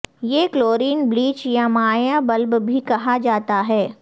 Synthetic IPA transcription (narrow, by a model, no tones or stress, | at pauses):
jeːkloːɾiːnbliːt͡ʃjamaːjabɐlbbʱikɐɦad͡ʒaːt̪aɦɛː